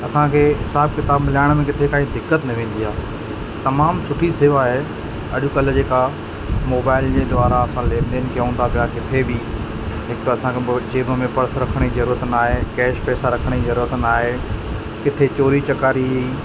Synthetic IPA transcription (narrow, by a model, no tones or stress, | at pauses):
ɐsãkʰeːɦɪsaːb̚kɪt̪aːbmlaːɪɽ̃mẽkɪt̪ʰekaːĩd̪ɪkːət̪nɐʋẽːn̆d̪iɦaː | t̪ɐmaːmsʊʈʰiseːʋaɦe | ɐ̰ɗʊkɐld͡ʑeːka | moːbaːɪld͡ʑeːd̪ʊaːɾaɐsãlẽːnd̪eːnɪ̆kɪjũːn̆d̪apʰijakɪt̪ʰebi | ɦɪkt̪oɐsãkʰed͡ʑeːbəmẽpɐɾəsɾɐkʰəɽ̃izɐɾuːɾət̪naːɦekɛːʃpɛːsaɾɐkʰəɽ̃izɐɾuːɾət̪naːɦe | kɪt̪ʰet͡ɕoːɾit͡ɕɐkaːɾi